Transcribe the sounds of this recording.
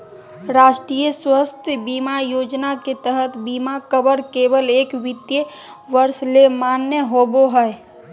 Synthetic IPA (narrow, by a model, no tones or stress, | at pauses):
ɾaːʃʈɾiːjəswəst̪ʰəbiːmajoːd͡ʒnaket̪əɦət̪biːmakəbəɾkeːʋəleːkʋɪt̪jəʋəɾslemaːnːjəɦoboɦɛe